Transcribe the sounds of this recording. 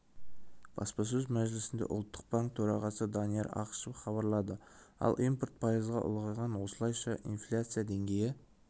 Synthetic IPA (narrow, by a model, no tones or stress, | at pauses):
b̥ɑ̰spɑs̬ɵzmæʒlɪsɪnd̪ḛʔʊ̰lˠt̪ːəq̚baŋk̚t̪ʰɵɾɑʁɑsəd̪ɑnijeɾɑ̰qə̥ʃəpχɑβɑɾlˠɑd̪ə | ɑ̰lˠʔimport̪̚pʰajəzʁɑʔʊ̰lˠʁɑjʁɑnwo̞səlˠɑjʃɑʔinflʲat̪sɨjad̪e̞ŋɡʲe̞jɪ